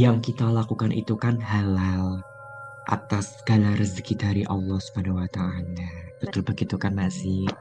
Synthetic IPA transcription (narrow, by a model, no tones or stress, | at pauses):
jaŋkit̪alakukanʔḭt̪ukanɦalal | ʔa̰t̪asːəɡalarəzəkidaɾiʔɑlːɔhsu̥banahwat̪aalab̥ət̪ʊlbaɡit̪ukanːasɪh